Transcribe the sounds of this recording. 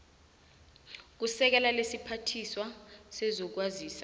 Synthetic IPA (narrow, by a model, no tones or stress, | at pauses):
k̬usɛk̬ɛlalesipʰatʰiswasɛzɔk̬waziːsḁ